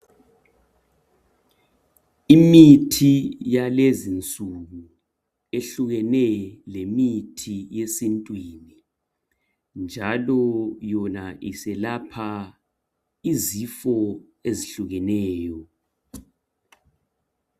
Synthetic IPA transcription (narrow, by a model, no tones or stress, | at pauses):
imitʰijalezint͡sʼuɣu | eɬuɣɛnɛlemitʰijesintʼwiːni | nd͡ʒʱalɔjɔnaʔisɛlapʰa | izifɔ | eziɬuɣɛnɛːjɔ